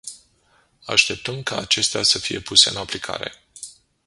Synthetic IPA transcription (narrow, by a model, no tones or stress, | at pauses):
aʃt̪e̞p̚t̪əmkaːt͡ʃe̞st̪easəfije̞puse̞ɨnaplikʰa̰ɾe̞̰